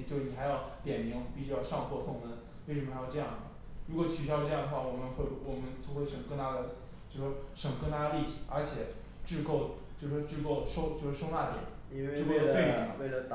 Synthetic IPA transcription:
t͡ɕjo˥˧ʊʂni˩xa˧˥ɪjɑ˥˩ʊt̪jɛ˨˩nmi˧˥ŋpi˥˩ɕy˥jɑ˥˧ʊʂɑ˥˧ŋxʰwɔ˥˧sʊ˥˩ŋnə˥˩ | wɪʂ̬mə˧jɑ˥˧ʈ͡ʂɤ˥˧jɑ˥˩ŋə˩ɻu˧˥kwɔ˨˩t͡ɕʰy˨˩jɑ˥˧ʊʈ͡ʂɤ˥˧jɑ˥˩ŋd̪ə˩xwa˥˩wɔ˨˩mə˦nxwe˥˩ɪwɔ˨˩mə˦nt͡sʰo˥˧xwe˥˩ɪʂɤ˨˩ŋkɤ˥na˥d̪ə˨ | t͡ɕjo˥˧ʊʂɔ˥ʂɤ˨˩ŋkɤ˥na˥d̪ə˧li˥˩t͡ɕʰi˨˧˥ə˞˧˥t͡ɕʰjɛ˨˩ | ʈ͡ʂɻ̩˥˧ko˥˧ʊ | t͡ɕjo˥˧ʊʂɔ˥ʈ͡ʂɻ̩˥˧ko˥˩ʊʂo˥ʊt͡ɕjo˥˧ʊʂɻ̩˥˧ʂo˥ʊna˥˩t̪jɛ̰˨˩˦ | ɻ̩˥˧ko˥˩ʊlə˧we˥˩ɪi˥˨˧we˥˩lə˩

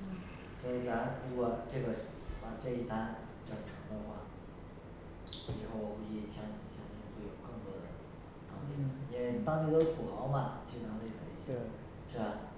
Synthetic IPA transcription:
swɔ˧˥i˨˩t͡sa˧˥ə˧˩ɻu˧˥kwɔ˨˩ʈ͡ʂɤ˥˩ɡə˩ | pa˨˩ʈ͡ʂɤ˥˧i˥˩t̪a˥n | ʈ͡ʂə˨˩nʈ͡ʂʰɤ˧˥ŋd̪ə˧xwa̰˥˩ | ɻi˨˥˩xo˥˩ʊu˧˥i˥˩ɕjɑ˥˧ŋ˨˩ɕjɑ˥ŋt͡ɕi˥nt̪wo˥˩jo˨˩ʊkɤ˥˩ŋt̪wɔ˥d̪ə̰˨˩ | t̪ɑ˥t̪i˥˩nə˩i˥nwe˥˧ɪt̪ɑ˥ŋt̪i˥t̪o˥ʊpʰu˨˩xɑ˧˥ʊmɐ˥˧t͡ɕi˥˧˩a˧˥t̪e˥˩kʰə̰˧˥˩ḭ˥˩˥ | ʂɻ̩˥˩ba˨˩

